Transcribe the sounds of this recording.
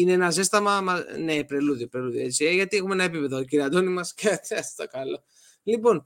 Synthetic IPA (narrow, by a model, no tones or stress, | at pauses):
ineenɐs̬ist̪ɐmɐmɐnepɾeluðjopɾe̞luðjoet͡sieʝɐt̪ie̞xumenɐe̞pipe̞ðociɾiɐd̪onimɐsket̪ɐ̥t̪ɐkɐlo̞ | lipo̞n